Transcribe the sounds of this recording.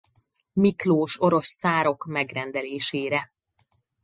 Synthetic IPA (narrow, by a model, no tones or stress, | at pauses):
mikloːʃo̞ɾo̞st̪saːɾo̞kmɛɡrɛnd̪ɛleːʃeːɾɛ